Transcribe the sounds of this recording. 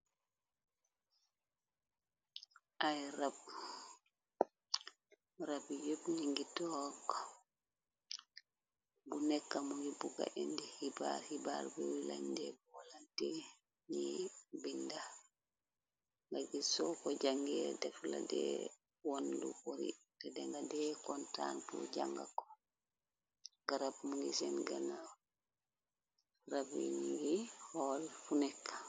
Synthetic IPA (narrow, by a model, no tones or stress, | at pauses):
ʔajɾab | ɾabjubɲiŋɡitɔkɔ | bunɛkːamɔjibuɡa̰ʔɛndɛhibaɾhibaɾbɛwila̰ɲdɛbwalatɛ | ɲibinda | ŋɡaɡisɔkɔd͡ʒaŋɡɛdɛfla̰dɛ̰ | wondukoɾḭ | tɛdɛŋɡadɛkɔntanpṵd͡ʒaŋɡa̰kɔ̥ | ɡaɾabmuŋɡisɛnɡana | ɾabḭɲiɡihɔlfunɛkːḁ